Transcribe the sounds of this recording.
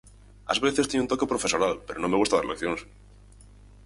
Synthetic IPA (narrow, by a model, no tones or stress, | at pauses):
a̰zβeθest̪eneunt̪o̞ke̞pɾofe̞soɾalpe̞ɾʔo̞nome̞ɣust̪aðaɾlekθjons